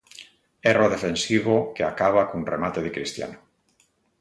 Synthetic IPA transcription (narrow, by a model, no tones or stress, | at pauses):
eroð̞efensiβokeakaβ̞akonremat̪eð̞ekɾist̪ja̰no